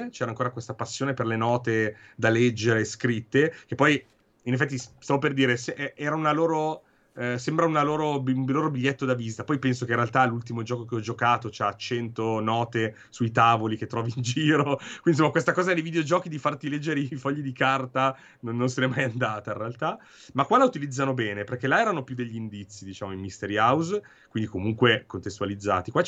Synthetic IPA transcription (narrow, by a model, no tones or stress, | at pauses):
t͡ʃɛːɾaːŋkoːɾakwest̪apasːjoːneperlenɔːt̪e | d̪alɛd͡ʒːeɾeskɾit̪ːekepːɔj | inef̬ːɛt̪ːisst̪avoperd̪iːɾesʔɛʔɛːɾaunaloːɾo | sembɾaunaloːɾobumloːɾobiʎːɛt̪ːod̪avisit̪apɔjpɛnsokeĩnrealt̪alːult̪imod͡ʒɔːkokeɔd͡ʒokaːt̪ot͡ʃaat͡ʃːɛnt̪onɔːt̪e | suit̪aːvoliket̪ːɾɔːviːnd͡ʒiːɾokwind̪isomːakwest̪akɔːzaɛnejvid̪eod͡ʒɔːkid̪ifart̪ilɛd͡ʒːeɾeifɔʎːid̪ikart̪a | nonːonsenɛmːajand̪aːt̪ainrealt̪a | makːwalaut̪ilid̪zːanobɛːneperkɛlaɛːɾanopjud̪eʎːiind̪it̪sːid̪it͡ʃaːmoimːist̪eɾiawz | kwind̪ikomuŋkwekont̪est̪ualid̪zːa̰ːt̪ikwa